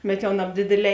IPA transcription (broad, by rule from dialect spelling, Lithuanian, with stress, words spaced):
bʲɛt ˈjɛʊ nɐbʲˈdʲeːdʲeːˌlʲɛː